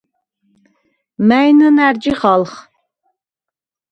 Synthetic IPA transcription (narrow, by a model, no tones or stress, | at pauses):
mæjnɨnæɾd͡ʒiχalχ